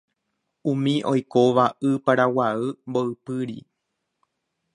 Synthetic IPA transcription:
ũmĩʔo̞jko̞ʋaʔɨpaɾawaɨmboɨpɨɾḭ

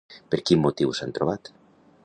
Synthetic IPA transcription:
peɾkimːot̪iwsant̪ɾoβat̪

